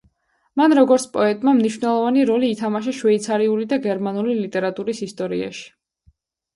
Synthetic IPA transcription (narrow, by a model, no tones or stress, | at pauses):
manɾɔɡɔɾt̪sʰpʼɔɛt̪ʼmamniʃwvnɛlˠɔvaniɾɔliːt̪ʰamaʃ̬aʃwɛit̪sʰaɾiulid̪aɡɛɾmanulilit̪ʼɛɾat̪ʼuɾisist̪ʼɔɾḭa̰ʃi̥